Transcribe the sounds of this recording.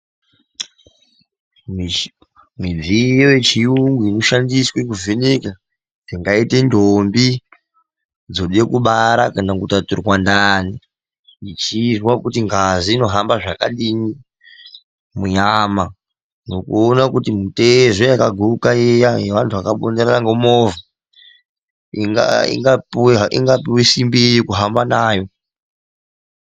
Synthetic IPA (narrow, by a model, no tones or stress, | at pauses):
mwid͡zijoje̞t͡ʃiuŋɡwinuʃandiswek̬uveneka | d͡ziŋɡaite̞ndʱombi | d͡zoɗe̞kuɓaɾakanakutaturwandani | it͡ʃizwakutiŋɡaziːno̞ɦambaʐakaɗini | muɲaːma | no̞kuonakutimuteʐojakaɡʱuukaejajeʋantʰuʋakaɓondeɾaraŋɡomoːvu | a̰ḭŋɡapweɦaʔḭŋɡapiwisimbiejikuɦambanaːjo̞